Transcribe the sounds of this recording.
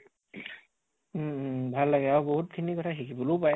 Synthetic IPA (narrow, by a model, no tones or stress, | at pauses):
bʱalːaɡɛawbɔɦut̚kʰinikɔtʰaxikibɔlopaj